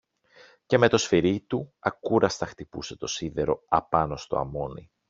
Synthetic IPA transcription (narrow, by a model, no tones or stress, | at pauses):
ce̞me̞t̪o̞sfiɾit̪uɐkuɾɐst̪ɐxt̪ipṵse̞t̪o̞siðe̞ɾo̞ɐpɐno̞st̪o̞̰ɐ̰mo̞nḭ